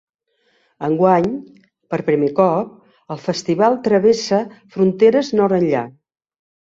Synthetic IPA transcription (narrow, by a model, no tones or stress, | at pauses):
əŋɡwaɲ | pəɾpɾimekɔp̚ | əlˠfəst̪iβalˠt̪ɾəβesəfɾunt̪eɾəznɔɾənʎa